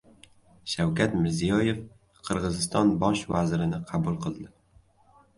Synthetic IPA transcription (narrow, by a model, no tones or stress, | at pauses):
ʃawkʰʲat̪mɪɾzijɒje̞f | qʰɨɾʁɨzɪst̪ɒnbɒʃvazɪɾɪnɪqʰɑbʊlˠqʰɨlˠd̪ɪ